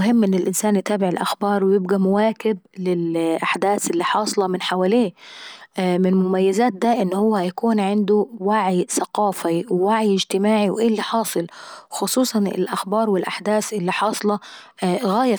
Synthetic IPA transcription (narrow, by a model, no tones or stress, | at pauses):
ʊɦɪmːʔɪnːɪlʔɪnsaːnjɪt̪aːbɪʕɪlʔa̰xbɑːɾˤwɪjɪbɡamʊwaːkɪb̚lɪlʔaħd̪aːθʔɪlːiħɑːsˤlɑmɪnħawaːleː | mɪnmʊmajːazaːt̪̚d̪aʔɪnːhʊwːahajakuːnʕɪnd̪ʊwaʕjθaqɑːfiwɪwaʕjɪd͡ʒt̪ɪmaːʕiwʔeːlːiħɑːsˤɨlxʊsˤuːsˤɑnɪ̰lʔaxbɑːɾˤwɪlʔaħd̪aːθʔɪlːiħɑːsˤɑlɑ | ɣaːja